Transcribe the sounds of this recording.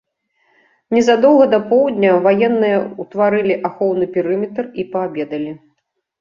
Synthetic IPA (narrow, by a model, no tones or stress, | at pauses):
nʲɛzad̪ɔwɣɐd̪ɐpɔwd̪ʲnʲɐvajɛnːɨjɐut̪vaɾɨlʲiʔaxɔwnɨpʲiɾɨmʲɛt̪ripɐabʲɛd̪ɐlʲi